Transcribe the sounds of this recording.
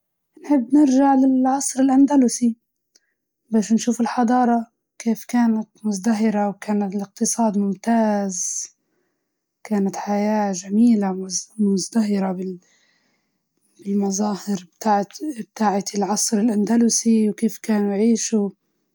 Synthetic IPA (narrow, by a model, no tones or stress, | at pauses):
nħɪbːnɪɾʒaʕlɪlʕɑsˤɾɪlʔand̪alʊsi | baːʃnʃuːfɪlħɑd̪ˤɑːɾˤɑ | keːfkaːnat̪mʊzd̪aɦɪɾawkaːnat̪ɪlɪq̚t̪ɨsˤɑːd̪mʊmt̪aːz | kaːnat̪ħajaːʒamiːlamʊzd̪aɦɪɾabɪ | bɪlmazɑːhɪɾbt̪aːʕb̚t̪aːʕalʕɑsˤɾɪlʔand̪alʊsiwkeːfkaːnujʕiːʃu